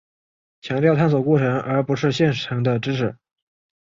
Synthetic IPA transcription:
t͡ɕʰjɑ˧˥ŋt̪jɑ˥˧ʊt̪ʰa˥˩ns̬wɔ˨˩kɔ˥˩ʈ͡ʂʰɤ˧˥ŋə˞˧˥pu˧˥ʂɻ̩˥˧ɕjɛ˥˩nʈ͡ʂʰɤ˧˥ŋd̪ə˧ʈ͡ʂɻ̩˥ʈ͡ʂʰɻ̩˨˧˩

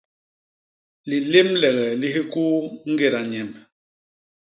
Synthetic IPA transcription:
li˨le˦mlɛ˨ɣɛ˨li˦ɦi˦ku˦ŋ̩˦ɡe˨ɾa˨ɲɛ˨m

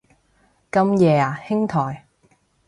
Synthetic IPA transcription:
kɐ˧mjɛː˨˧aː˨˩hɪ˥ŋt̪ʰɔː˨˩j

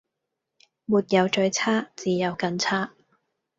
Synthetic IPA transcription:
muː˨˧t̚jɐ˨˧wt͡ʃɵ˧ɥt͡sʰaː˥t͡siː˨jɐ˨˧wkɐ˧nt͡sʰaː˥

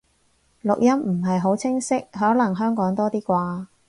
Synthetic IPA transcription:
lʊ˨k̚jɐ˥mm̩˨˩ɦɐ˨jɦo˨˥wt͡sʰɪ˥ŋsɪ˥k̚ɦɔː˨˥lɐ˨˩ŋɦœː˥ŋkɔː˨˥ŋt̪ɔː˥t̪iː˥kʷaː˧

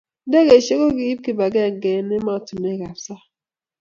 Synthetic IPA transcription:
n˦de˦ɡe˨ʃe˦ɣo˦ɡi˨i˦b̚ki˦ba˨ɡɛ˦˨ŋ˨ɡe˨ni˦ma˦o˨tu˨me˦˨ɡa˨bsa˦

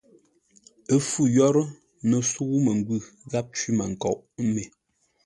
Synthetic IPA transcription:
ə˦fu˦˨jɔ˦ɾə˦ | nə˨su˦ɣu˦mə˨ŋ˦ɡwʉ˦˨ɣa˦p̚t͡ʃwi˦ma˨ŋ̩˨kɔ̰˨ʔme˨

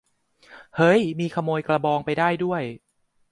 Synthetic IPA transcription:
hɤ˦˥jmiː˧kʰa˧moː˧jkla˧bɔː˧ŋpa˧jdaː˥˩jdu˥˩əj

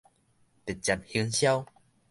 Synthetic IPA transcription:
t̪e˨˩t̚t͡ɕa˨˩mhi˧ŋɕja˦w

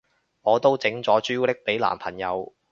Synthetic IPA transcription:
ŋɔː˨˧t̪o˥wt͡sɪ˨˥ŋt͡sɔː˨˥t͡ʃyː˥lɪ˥k̚pe˨˥jla̰ː˨˩mpʰɐ˨˩njɐ̰˨˧w

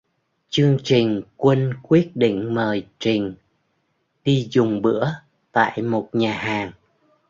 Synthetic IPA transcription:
t͡ɕɨ˧əŋt͡ɕï˨˩ŋ̟kwə˧nkwi˦˥ət̚ɗḭ˧˨ŋ̟məː˨˩jt͡ɕï˨˩ŋ̟ | ɗi˧zʊ˨˩ŋ͡mɓɨ̰˧˥ə | t̪a̰ː˧˨jmo˨˩t̚ɲaː˨˩ɦaː˨˩ŋ

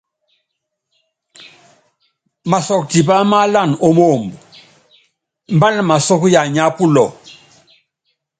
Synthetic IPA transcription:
ma˨sɔ˨k̚ti˨pa˦ma˦la˦˨no˦mo˦˨mbu˨ | mba˦na˦˨ma˨sɔ˦ku˦ja˨ɲa˦pu˦lɔ˨

